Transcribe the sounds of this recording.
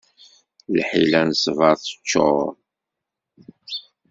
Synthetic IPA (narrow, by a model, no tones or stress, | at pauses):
lħilænsvɑɾθə̥t͡ʃːo